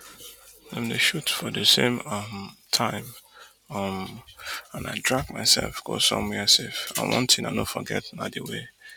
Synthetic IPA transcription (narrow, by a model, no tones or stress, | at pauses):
ɛ̃mdeʃutfɔdəsẽmʌmtʰãɪ̃m | ʌm | ãnaɪdɹaɡmaɪsɛ̰lfɡ̥o̰sɔ̰̃mwɛsifa̰ɪwʔɔ̰̃ntĩna̰ɪnofɔɡɛtnadəwe